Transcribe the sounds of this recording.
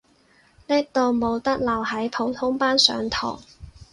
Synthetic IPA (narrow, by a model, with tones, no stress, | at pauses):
niː˥k̚t̪o˨˧wmo˨˧wt̪ɐ˥k̚lɐ˨˩wɦɐ˨˥jpʰo˨˧˥wt̪ʰʊ˥ŋpaː˥nsœ̰ː˨˧ŋt̪ʰɔ̰ː˨˩ŋ